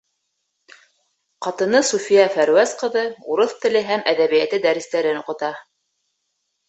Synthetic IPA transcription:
qɑt̪ɤ̆nɤsufijæfæɾwæsqɤ̆ðɤuɾoθt̪ɘ̆lɘɦæmæðæβijæt̪ɘd̪æɾɘ̆st̪æɾɘnŏqɤ̆t̪ɑ

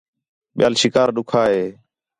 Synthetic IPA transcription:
ɓɪja̰ːlsɪkaːɾɗʊkʰaːɦeː

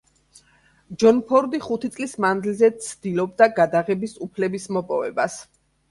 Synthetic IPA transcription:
d͡ʒɔnpʰɔɾd̪iχut̪ʰit̪sʼlismand̪ilzɛt̪sʰd̪̥ilɔbd̪aɡad̪aʁɛbisupʰlɛbismɔpʼɔ̰vɛ̰bas

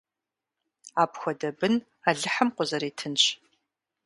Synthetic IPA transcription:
aːpʰxʷɔdɐbɨn | aɮɨħəmqʷʊzɐɾiːtʰɨnt͡ʃʰ

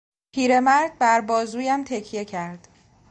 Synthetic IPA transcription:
pʰiːɾe̞mæɾd̪̚bæɾbɒːzuːjæmt̪ʰecʰije̞cʰæɾd̪̥

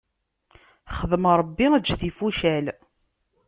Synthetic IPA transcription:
χəðmɾˤəbːiəd͡ʒːθifuʃæl

